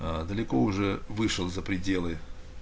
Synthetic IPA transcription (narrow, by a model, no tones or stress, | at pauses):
d̪əlʲɪko̞ʊʐɛvɨʂəlˠzəpɾʲɪdʲe̞lˠɨ